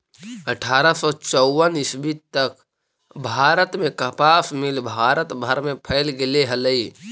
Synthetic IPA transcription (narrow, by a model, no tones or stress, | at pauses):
əʈʰaːɾəsɔt͡ʃɔːənɪsbit̪t̪ək | bʱaːɾət̪mẽkəpaːsmɪlbʱaːɾət̪bʱəɾmẽpʰəɪlɡɪleɦələi